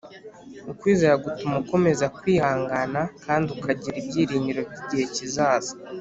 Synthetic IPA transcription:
ukwiːzeɾaɡutumuko̞me̞zakwiːhaːŋɡanakʰaːndiukʰaɟiɾibɟiːɾiːɲɟiɾo̞bɟiɟihe̞cizaːzḁ

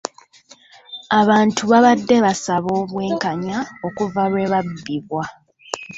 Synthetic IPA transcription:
aβaːntʰuβaβadːe̞βasaβo̞ːβwe̞ːŋkaɲao̞kuvaɾweːβabːiβwa

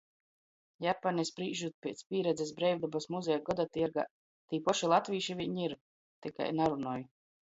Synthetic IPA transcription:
japanʲisbɾiːʒut̪̚pʲiɛt̪spʲiːɾɛd̪zʲɛs̬bɾɛjvd̪abasmuzɛjaɡɔd̪at̪iɾɡa̰ː | t̪iːpɔʃilˠat̪vʲiːʃivʲiɲiɾ | t̪ika̰jnaɾunɔːju

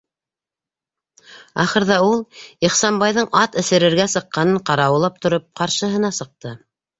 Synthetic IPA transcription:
ɑχɤ̆ɾðɑulˠiχsɑmbɑjðɤɴʔɑt̪ɘ̆sɘ̆ɾɘ̆ɾɡæsɤ̆qːɑnɤɴqɑɾɑwɤ̆lˠɑp̚t̪ŏɾop̚qɑɾʃɤ̆ɦɤ̆nɑsɤ̆q̚t̪ɤ

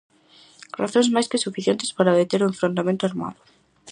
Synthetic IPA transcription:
raθõŋzmajskɪsufiθjent̪e̥spaɾaβet̪eɾuɱfɾond̪amẽnt̪oaɾma̰ðʊ

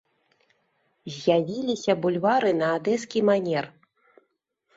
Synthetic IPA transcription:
zʲjavʲilʲisʲɐbulʲvaɾɨnɐːd̪ɛskʲimanʲɛr

